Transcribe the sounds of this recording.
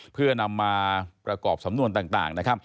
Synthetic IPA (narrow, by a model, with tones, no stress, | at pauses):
pʰɯ˥˩ɐna˧mːaː˧pɾa˧kɔː˨˩p̚sa˨˩˦mnu˧ənt̪aː˨˩ŋt̪a̰ː˨˩ŋna˦˥kʰa˦˥p̚